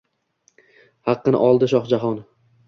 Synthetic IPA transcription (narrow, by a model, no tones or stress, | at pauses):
hɑqːɨnɪ̰ʔɒlˠd̪ɪʃ̬ɒχd͡ʒaɦɒn